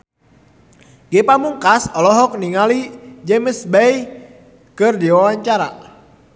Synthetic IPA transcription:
ɡepamuŋkasɔlɔɦɔk̚niŋalid͡ʒɛməsbɛj | kərdiwawaɲt͡ʃaɾa̰

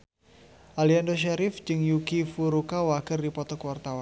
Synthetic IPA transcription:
ʔaliandoʃɛɾɪfd͡ʒɨŋjuɡifuɾukawaɡərdipɔt̪ɔkwart̪awan

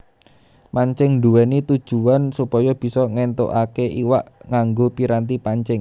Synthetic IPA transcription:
maɲt͡ʃɪŋnd̪uɛnit̪ud̥ʒ̥uansupɔjɔb̥i̤sɔŋɛnt̪o̰ʔakeʔiwaʔŋaŋɡopiɾant̪̬ipaɲt͡ʃɪŋ

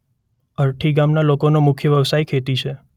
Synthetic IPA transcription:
əɾʈʰiɡamnalokonomʊkʰjəʋjəʋsajkʰet̪it͡ʃʰe

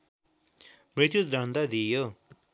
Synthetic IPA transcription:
mɾit̪jut̪ɾʱʌnd̪ad̪ijo

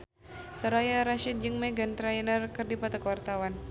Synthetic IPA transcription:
səɾajaɾaʃit̪̚d͡ʒɨŋmɛɡant̪ɾainərkɨrdipat̪akəwart̪awan

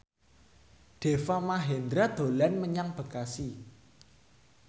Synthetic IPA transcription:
ɖ̪̥e̤famaɦend̪ɾad̪̥o̤lɛnməɲaŋb̥ə̤kasi

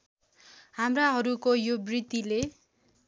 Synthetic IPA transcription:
hamraɦʌɾukojobrit̪ile

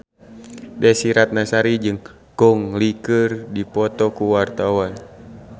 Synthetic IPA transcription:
dɛsiɾat̪̚nasaɾid͡ʒɨŋ | kɔŋlikɨrdipɔt̪ɔkuwart̪awan

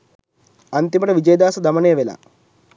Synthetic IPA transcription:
ɐnt̪imɐɽɐʋid͡ʑɐjɐd̪aːsɐd̪ɐmɐɳejɐʋelɐ̰

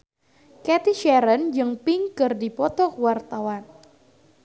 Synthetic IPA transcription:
kɛt̪iʃɛɾənd͡ʒɨŋpiŋkɨrdipɔt̪ɔkwart̪awan

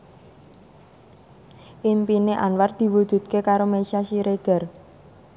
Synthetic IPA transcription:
ʔimpineʔanward̪̥i̤wud̪̥ṳt̪̚kekaɾomesiaʃiɾeɡ̥a̤r

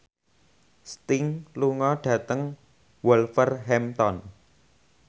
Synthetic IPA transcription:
st̪ɪŋluŋɔɖ̥ä̤t̪əŋ | wɔlfərɦɛmt̪ɔn

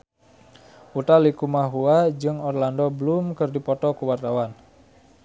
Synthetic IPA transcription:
ut̪alikumaɦuad͡ʒɨŋɔrlandɔbəlumkərdipɔt̪ɔkuwart̪awan

